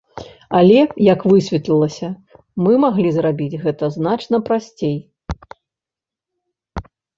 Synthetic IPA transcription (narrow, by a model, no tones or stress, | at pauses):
ɐlʲɛjɐkvɨsʲvʲɛt̪lʲilˠɐsʲɐ | mɨmaɣlʲizrabʲid͡zʲɣɛt̪ɐzn̪at͡ʂnɐpɾasʲt͡sʲej